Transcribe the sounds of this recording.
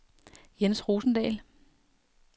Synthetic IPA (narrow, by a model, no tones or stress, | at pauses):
jensʁuːsn̩d̥ɛ̰ːl